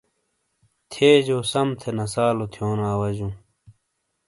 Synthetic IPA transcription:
t̪ʰeːd͡ʑoːsɐmt̪ʰenɐsaːlot̪ʰjoːnaːwɐd͡ʑũː

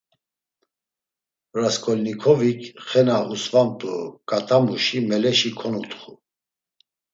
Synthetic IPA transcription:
ɾaskʰʼɔlnikʰɔvikʰχɛnaʔusvampʼə̰kʼat̪ʼamuʃimɛlɛʃikʰɔnut̪χu

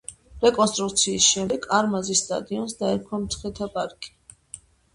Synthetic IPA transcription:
ɾɛkʼɔnst̪ʼɾut̪sʰiːsʃɛmd̪ɛkʰaɾmazist̪ʼa̰d̪iɔnsd̪aɛɾkʰamt̪sʰχɛt̪ʰapʼaɾkʼi̥

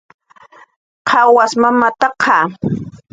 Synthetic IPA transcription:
qʰɑwasmamat̪ɑqʰɑ

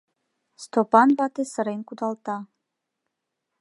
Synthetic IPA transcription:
st̪opanvat̪esəɾenkud̪alt̪a

